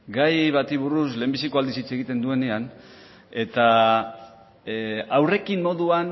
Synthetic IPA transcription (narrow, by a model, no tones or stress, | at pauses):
ɡajβat̪iβuɾusle̞ːmbisiko̞ald̪isit͡seɣit̪e̞nd̪ue̞ne̞an | e̞t̪a | awre̞kimːo̞ðuan